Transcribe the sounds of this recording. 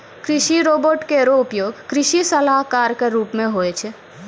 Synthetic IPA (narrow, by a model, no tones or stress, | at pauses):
kɾɪʃiɾoːboʈkeɾoʊpjoːɡkɾɪʃisəlaɦkaːɾkeɾuːpmẽɦoːet͡ʃʰe